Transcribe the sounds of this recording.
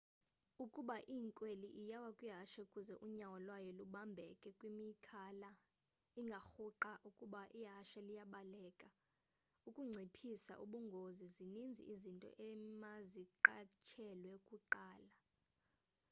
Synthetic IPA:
ukʼuɓaʔiŋkʼweliʔijawakʼwiɦaʃɛukʼuzɛʔuɲawɔlwajɔluɓambʱɛkʼɛkʼwimikʰala | iŋɡʱaxuǃaʔukʼuɓaʔiɦaʃɛlijaɓalɛːkʼa | ukʼuŋ͡ǀʱepʰisa̰ʔṵɓuŋɡʱozizinind͡zʱḭʔizintʼɔ̰ʔɛmaziǃat͡ʃʰɛlwɛkʼuǃaːla

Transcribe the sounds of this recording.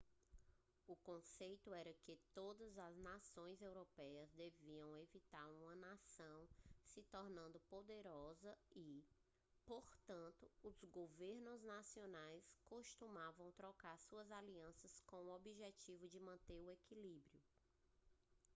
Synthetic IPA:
ʊkõsejt̪ʊɛɾɐkɪt̪od̪ɐzɐznasõj̃zewɾopɛjɐzd̪eviɐ̃w̃evit̪aɾũmɐnasɐ̃w̃sɪt̪oɾnɐ̃nd̪ʊpod̪eɾɔzɐi | poɾt̪ɐ̃nt̪ʊʊzɡoveɾnʊznasionajskoʃt̪ũmavɐ̃w̃t̪ɾɔkaɾsuɐzaliɐ̃sɐskõw̃uobiʒet͡ʃivʊd͡ʒɪmɐ̃nt̪eɾʊekilibɾiʊ

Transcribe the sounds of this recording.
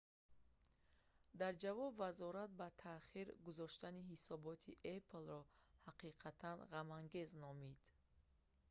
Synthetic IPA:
d̪aɾd͡ʒavɔbvazɔɾat̪̚bat̪ʰaχiɾɡuzɔʃt̪aniɦisɔbɔt̪ʰiʔepʰlrɔhaqiqʰat̪ʰanʁamaŋɡe̞znɔmid̪

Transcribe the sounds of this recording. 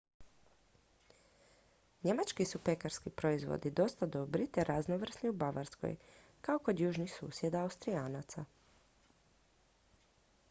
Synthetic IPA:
ɲe̞mat͡ʃkisupe̞kaɾskipɾo̞izʋo̰d̪id̪o̞st̪ad̪o̞bɾit̪eɾʔaznoʋr̩sniubaʋaɾsko̰jkaoko̞d̪juːʒnixsṵːsje̞d̪aːust̪ɾijaːnat̪sa

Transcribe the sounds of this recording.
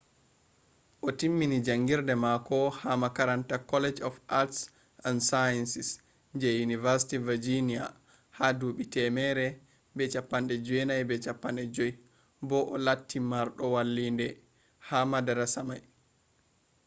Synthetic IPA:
ʔɔtimːinid͡ʒaŋɡiɾdɛmakɔhamakaɾantakɔlɛd͡ʒɔfats | ʔansajansis | ɲd͡ʒɛjunivaɾsi̥tivid͡ʒinia | haduɓitɛmɛɾɛ | bɛt͡ʃapːanɗɛd͡ʒɛnajbɛt͡ʃapːanɗɛd͡ʒɔj | bɔʔɔlatːimaɾɗɔwalːindɛ | hamadaɾasamaj

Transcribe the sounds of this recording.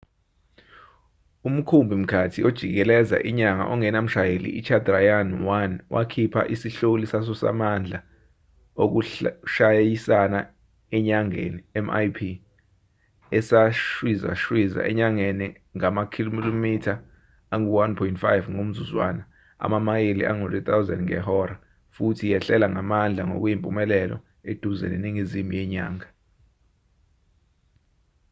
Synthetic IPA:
um̩kʰumbʱim̩kʰatʰiod̥ʒ̥ʱḭk̬ɛlɛza̰ʔiɲaŋa̰ʔɔŋɛnam̩ʃajelḭit͡ʃʰadrajanwanwʔa̰kʰipʰa̰ʔisiɬolisas̬ɔsa̰mand͡ɮʱa | ok̬uʃajjisana | ɛɲaŋḛniɛma̰jpʰi | ɛsaʃwiza̰ʃwiza̰ʔɛ̰ɲaŋeni | ŋamakʰillomitʰaː | ŋuwanpʰɔintfajvŋom̩zuzwa̰ːna | a̰mamajelḭʔaŋorit̪ʰʼawza̰ndŋɛ̰ɦɔɾa | futʰijɛɬɛlaŋamand͡ɮʱaŋo̰k̬ujimpʼumɛlɛlɔ̰ | ed̥ʱuzɛ̰neniŋizimijɛɲa̰ːŋa

